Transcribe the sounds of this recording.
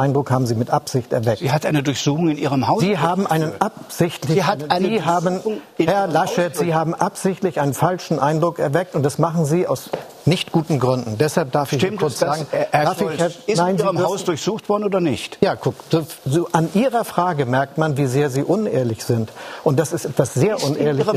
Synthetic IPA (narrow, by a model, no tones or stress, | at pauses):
aɪndʁʊkhaːbm̩ziːmɪtʔapz̥ɪçtɛ̰ɐvɛk̚ihatʔaɪnədʊɐçz̥uːxʊŋɪnʔiːʁəmhaʊziːɦaːbm̩ʔaɪnənapz̥ɪçtlɪaziːɦaːbn̩hɛɐlaʃɛtz̥iːɦaːbm̩ʔapz̥ɪçtlɪçʔaɪnənfalʃn̩ʔaɪndʁʊkɛɐvɛk̚tʊnt̚d̥asmaχn̩ziːa̰ʊs | nɪçtɡ̥uːtn̩ɡʁʏndn̩d̥ɛshalp̚d̥aɐfɪçkʊɐt͡sz̥aːɡŋ̩ʔdaɐffɪɛɪnaɪnzimɐaʊsd̥ʊɐçz̥uːxtv̥ɔɐdn̩oːdɐnɪ̰çtjaːkʰʊkz̥oːzoːʔanʔiːʁɐfʁ̥aːɡəmɛɐk̚tmanviːzeːɐziːʔʊnḛːɐlɪçz̥ɪntʔʊntd̥asɪstɛtv̥asz̥eːɐʔʊneːɐlɪç